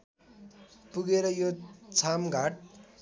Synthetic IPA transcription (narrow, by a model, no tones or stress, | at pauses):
puɡeɾʌjot͡sʰamɡʱaʈ̚